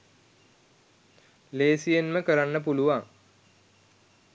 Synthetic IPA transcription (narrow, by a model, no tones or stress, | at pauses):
leːsijenməkəɾanːəp̬uluʋaŋ